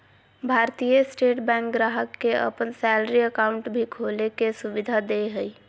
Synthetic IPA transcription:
bʱaːɾt̪ijəsʈeːʈbɛ̃ːŋkɡɾaːɦəkːeə̰pənsɛːləɾiəkaːʊ̃ɳʈbʱikʰolekesʊʋɪd̪ʱad̪eɦəi

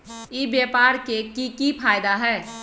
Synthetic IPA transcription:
ibjeːpaːɾkekikipʰaːjd̪aɦɛː

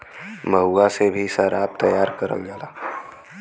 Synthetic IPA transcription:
məɦuasebʱiʃəɾaːb̚t̪ɐjaːɾkɐɾə̰ld͡ʒaːlaː

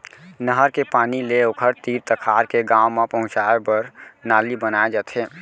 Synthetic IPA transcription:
nəɦəɾkepaːnileokʰəɾt̪iɾt̪əkʰaɾkeɡãwmãpəɦʊ̃t͡ʃaepəɾnalibənaed͡ʒət̪ɦe

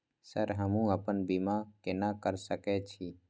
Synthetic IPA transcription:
səɾɦəmũəpənbimakenakəɾsəkɛt͡ʃʰiː

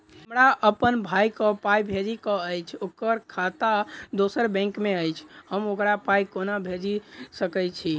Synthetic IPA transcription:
mɾaʔəpənbʱajkɔpajbʱed͡ʒikɔəjt͡ʃʰokəɾkʰat̪ad̪osəɾbɛ̃ŋkmeəjt͡ʃʰhəmokɾapaikonabʱed͡ʒisəkət͡ʃʰi

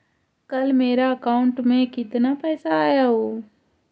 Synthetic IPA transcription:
kəlmeːɾaəkaːʊɳʈmẽkɪt̪napɛːsaaːjaɦoː

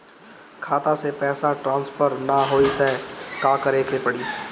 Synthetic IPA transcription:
kʰaːt̪asepɛːsaʈɾãːnspʰəɾnaɦoːit̪ɛkãːkəɾeːkʰepəɽiː

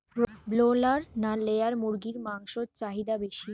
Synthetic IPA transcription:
blolaɾnalejaɾmuɾɡiɾmaŋʃot͡ɕaɦid̪abeʃi

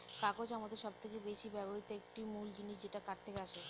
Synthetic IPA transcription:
kakot͡ɕamad̪eɾʃɔb̚t̪ʰekebeʃibɛpoɾit̪oek̚ʈimuld͡ʑiniʃd͡ʑeʈakaʈ̚t̪ʰekeaʃe

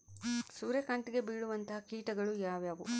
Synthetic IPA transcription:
suːɾekɐɳʈiɡe̞biːɭuʋɐnt̪ɐɦɐkiːʈɐɡɐɭujaːʋjaːʋu

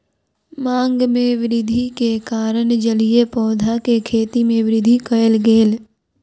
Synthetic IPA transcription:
mãːŋɡmẽʋɪɾɪd̪ʱikekaːɾəɳd͡ʒəliepɔːd̪ʱakekʰeːt̪imẽʋɪɾɪd̪ʱikɐəlɡeːl

